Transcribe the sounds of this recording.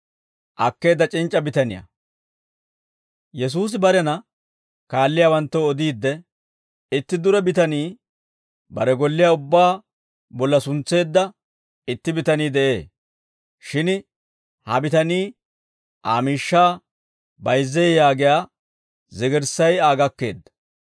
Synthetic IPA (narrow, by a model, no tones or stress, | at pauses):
ʔɐkːe̞ːd̪ːɐt͡ʃʼɪnt͡ʃʼːɐbɪt̪ɐnɪjɐ̰ | jɛs̬uːs̬ɪbɐɾɛnɐ | kaːlːɪjaːwɐnt̪ːɐɔd̪iːd̪ːɛ | ɪt̪ːɪd̪ʊɾɛbɪt̪ɐniː | bɐɾɛɡɔlːɪjaʊbːaː | bɔlːɐsʊnt͡sːe̞ːd̪ːɐ | ɪt̪ːɪbɪt̪ɐniːd̪ɛʔe̞ː | ʃɪn | hɐbɪt̪ɐniː | ʔaːmiːʃːaː | bɐjzːɛːjaːɡɪjaː | zɪɡɛɾsɐjaːɡɐkːe̞̰ːd̪ːɐ̥